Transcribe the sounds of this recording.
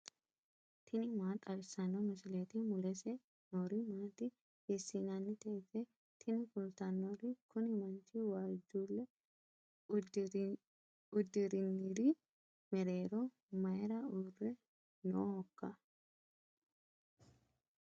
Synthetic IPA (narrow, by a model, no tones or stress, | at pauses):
t̪ʰɪnɪmaːt̪ʼɐlsɐnːomʊsɪleːt̪ɪmʊlɛsɛ | noːɾimaːt̪ɪ | heːsːinanːɪt̪eːsɛ | t̪ʰɪnɪkʊlt̪ɐnːoɾikʊnɪmɐnt͡ʃiːwaːd͡ʒuːlːɛ | ʊd̪ːɪɾɪnːɪɾi | mɛɾeːɾoː | mɐɛɾɐuːrːɛ | nohɔkːɐ